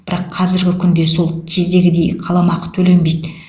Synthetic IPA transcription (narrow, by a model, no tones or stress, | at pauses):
b̥ɪɾɑqʰːɑzɪɾɡʲɪkʲʰʏnd̪e̞so̞lˠt̪ʲʰezd̪e̞ɡʲɪd̪e̞jqʰɑlˠɑmɑqə̥t̪ʰɵle̞nbejd̪